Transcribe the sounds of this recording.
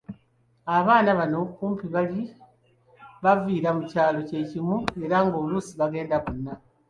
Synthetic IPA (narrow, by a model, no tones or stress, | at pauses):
aβaːnaβano̞kuːmpiβali | βaviːɾamucaːlo̞ce̞cimue̞ɾaŋɡolusiβaɡe̞ːndaβunːa